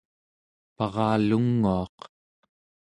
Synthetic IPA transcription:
pɑʁɑːluŋːuɑq

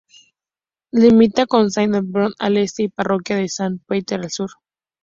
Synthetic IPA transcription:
limit̪akonsajnd̪ebɾona̰lest̪eiparo̞kjaðesanpet̪eɾalsuɾ

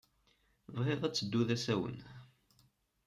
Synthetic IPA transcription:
vʁeðˤæt͡sːəd̪ːuðæsæwə̰n

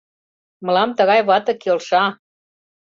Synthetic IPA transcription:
mɤ̆lɑmt̪ə̆ɣɑjβɑt̪ɤ̆kelʃɑ

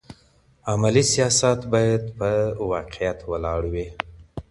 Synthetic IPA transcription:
amalisijɑsat̪bɑjad̪pəwɑqɪjat̪wəlɑɽwi

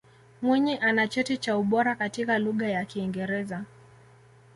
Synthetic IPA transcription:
mwiɲiʔanat͡ʃɔtit͡ʃauɓɔɾakatikaluɠajakiːŋɡɛɾɛza

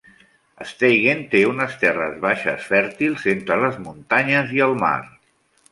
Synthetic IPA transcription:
əst̪ejɣent̪eunəst̪ɛrə̰zβaʃə̰sfɛɾt̪ilˠzent̪ɾələzmunt̪aɲəziəlˠma̰ɾ

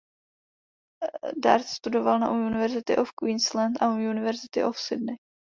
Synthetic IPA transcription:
da̰ɾt̪st̪udo̞valna̰ʔuunɪvɛɾzɪt̪ɪʔofkwiːnslant̪ʔauunɪvɛɾzɪt̪ɪ̰ʔofsɪdnɪ

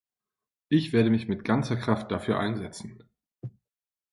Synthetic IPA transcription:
ʔɪçv̥eːɐɾəmɪçmɪtɡ̥ant͡sɐkʁ̥aft̚d̥afyːɐʔa̰ɪnzɛt͡sn̩

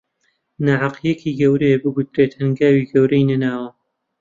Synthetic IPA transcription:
naʕɑqjɛkʰiːɡɐwɾebɨɡʊt̪ɾeːt̪hɨŋɡaːwiːɡɐwɾɐjnɐnaːwɐ

